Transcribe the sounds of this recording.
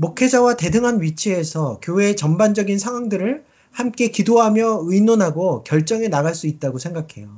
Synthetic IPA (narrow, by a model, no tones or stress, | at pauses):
mokʰe̞d͡ʑawate̞dɯŋɦanɥit͡ɕʰiesʰʌkjoweːt͡ɕʌmband͡ʑʌɡinsʰaŋwaŋdɯɾɯɭ | hamk͈e̞kidoɦamjʌɯinonɦaɡokjʌɭt͡ɕ͈ʌŋe̞naɣaɭs͈uit̚t͈aɡosʰe̞ŋɡakʰe̞jo